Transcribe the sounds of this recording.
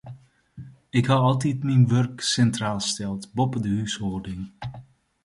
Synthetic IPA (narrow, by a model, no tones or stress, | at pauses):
ɪkhaɑlˠtitminʋørksɛntraːlˠstɛlˠtbopədəhyshoːrdɪŋ